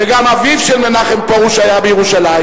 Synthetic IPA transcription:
veɡamavivʃelmenaχempaʁuʃajabejeʁuʃalajm

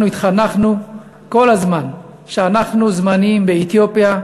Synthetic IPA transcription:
uit̪χanaχnu | ko̞lazman | ʃeanaχnuzmanimbeet̪jopja

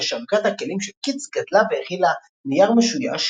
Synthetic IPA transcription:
ʃavkat̪hakelimʃelkit͡sɡat̪laveeχila | nijaʁmeʃuja̰ʃ

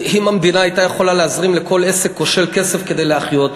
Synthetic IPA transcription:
himamvinaajt̪ajeχo̞laleazʁimleko̞le̞sekːo̞ʃe̞lke̞se̞fke̞d̪e̞jleaχjo̞t̪

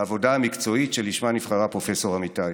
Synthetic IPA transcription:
avo̞daamikt͡so̞itʃeliʃmanifχaʁapʁo̞feso̞ʁamitaj

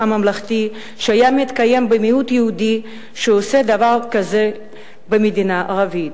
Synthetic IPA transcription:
amamlaχt̪i | ʃeajamit̪kajembemiut̪jeud̪i | ʃeosed̪avaʁkaze | bemed̪inaʔaʁavit

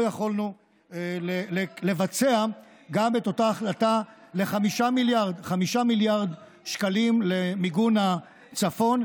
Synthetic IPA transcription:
jaχolnu | elelele̞vat͡se̞a | ɡame̞t̪o̞taːχlatale̞χamiʃamiljaʁdχamiʃamiljaʁd̪ | ʃkalimle̞miɡuna | t͡safo̞n

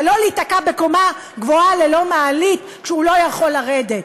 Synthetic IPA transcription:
lo̞litakabe̞ko̞ma | ɡvoalelo̞maːlit̪ | kʃɛulo̞jaχo̞laʁedet

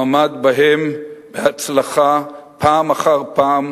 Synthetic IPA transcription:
amad̪baɦembehat͡slaχapʰaːmaχaʁpaːm

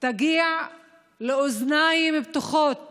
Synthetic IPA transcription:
t̪aɡiːʕ | leoznajmibt̪uχot̪̚

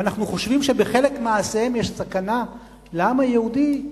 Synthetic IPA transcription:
anaχnuχo̞ʃvimʃebeχe̞le̞kmaːsehemjeʃsakana | lamajehud̪i

